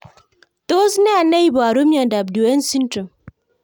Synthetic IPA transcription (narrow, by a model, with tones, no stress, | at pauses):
to˦sna˦a˨na˦i˦ba˨ɾo˦mjɔ˨da˨b̚do˨e˦n̩˦si˦n̩˦tə˨m